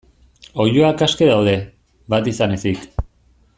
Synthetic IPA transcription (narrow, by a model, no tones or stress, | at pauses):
o̞juakaskeðawðe̞ | βat̪isane̞sik